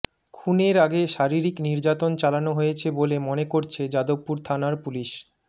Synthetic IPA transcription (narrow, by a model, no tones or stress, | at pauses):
kʰuneɾaɡeʃaɾiɾikniɾd͡ʑat̪ont͡ɕalanoɦojet͡ɕʰebolemonekoɾt͡ɕʰed͡ʑad̪opːuɾt̪ʰanaɾpuliʃ